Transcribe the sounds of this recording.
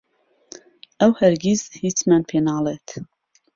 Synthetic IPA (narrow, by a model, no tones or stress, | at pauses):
ʔɛwhɛɾɡiz̥hit͡smænpʰeːnɑːleːt̪